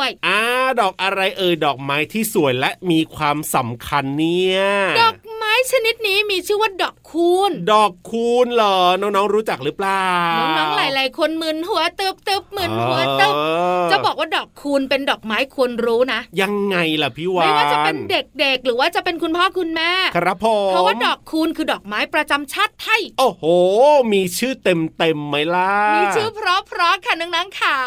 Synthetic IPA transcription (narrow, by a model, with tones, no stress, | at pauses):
əjʔaː˧˩dɔː˨˩k̚ʔa˧ɾa˧jʔɤː˧jdɔː˨˩k̚maː˦˥jt̪ʰiː˥˩su˨˩˦əjlɛ˦˥miː˧kʰwaː˧msa˩˦mkʰa˧nːi˦˥˩əədɔː˨˩k̚maː˦˥jt͡ɕʰa˧ni˦˥t̪̚niː˦˥miː˧t͡ɕʰɯː˥˩waː˥˩dɔː˨˩kʰːuː˧ndɔː˨˩kʰːuː˧nlɔː˨˩˦nɔː˦˥ŋnɔː˦˥ŋɾuː˦˥t͡ɕa˨˩k̚ɾɯː˦˥plaː˨˩nɔː˨˦˥ŋnɔː˦˥ŋlaː˨˦jlaː˨˦jkʰo˧nmɯ˨˩nɦu˨˩˦ɐt̪ɯ˦˩p̚t̪ɯ˦˩p̚mɯ˨˩nhu˨˩˦ɐtɯ˧˦˥t͡ɕa˨˩bɔː˨˩k̚waː˥˩dɔː˨˩kʰːuː˧npe˧ndɔː˨˩k̚maː˦˥jkʰu˧ənɾuː˦˥na˦˥ʔja˧ŋːa˧jla˨˩pʰiː˦˧˥wa˦˩wːaː˥t͡ɕa˨˩pe˧nde˨˩k̚de˨˩k̚ɾɯː˩˦waː˥˩t͡ɕa˨˩pe˧nkʰu˧npʰɔː˥˩kʰu˧nmɛː˥˩kʰa˧ɾa˦˧˥pʰo˧pʰɔ˦˥waː˥mdɔː˨˩kʰːuː˧nkʰɯː˧dɔː˨˩k̚maː˦˥jpɾa˧t͡ɕa˧mt͡ɕʰa˥˩t̪̚ʰa˥˩jʔoː˧˩hoː˨˩miː˧t͡ɕʰɯː˥˩t̪e˧mt̪e˧mːa˦˥jla˦˥miː˧t͡ɕʰɯː˥˩pʰɾɔ˦˥pʰɾɔ˦˥kʰa˥˩nɯ˧˦ŋnaː˦˥ŋkʰa˧˩